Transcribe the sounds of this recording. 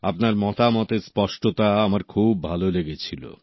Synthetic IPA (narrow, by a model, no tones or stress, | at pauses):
apnaɾmɔt̪amɔt̪eɾspɔʃʈot̪aamaɾkʰubːʱaloleɡet͡ɕʰilo̰